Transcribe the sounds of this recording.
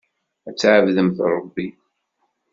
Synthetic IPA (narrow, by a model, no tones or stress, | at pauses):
æt͡sːʕəvðəmθɾˤəbːi